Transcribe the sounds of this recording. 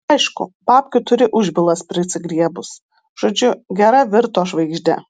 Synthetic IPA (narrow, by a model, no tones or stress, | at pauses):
ɐɪʃkʊ̰pɑːpʲkʲʊt̪ʊɾʲɪʔʊʒʲbʲɪlˠɐspʲɾʲɪsʲɪɡɾʲiɛbʊs | ʒ̥oːd͡ʒʲʊɡʲɛɾɐʋʲɪɾt̪oːʃʋɐɪɡʒʲd̪ʲɛ̰